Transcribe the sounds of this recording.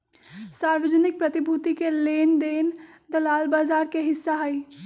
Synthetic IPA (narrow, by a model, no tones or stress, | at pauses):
saɾʋəd͡ʒənik̚pɾət̪ibʱut̪ikelend̪en | d̪əlalbazaɾkeɦɪsːaɦəj